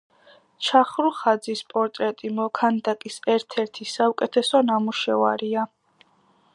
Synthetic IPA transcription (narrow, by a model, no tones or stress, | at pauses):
t͡ʃʰaχɾuχad̪zispʼɔɾt̪ʼɾɛt̪ʼimɔkʰand̪akʼisɛɾt̪ʰɛɾt̪ʰisaukʼɛt̪ʰɛsɔnamuʃɛva̰ɾia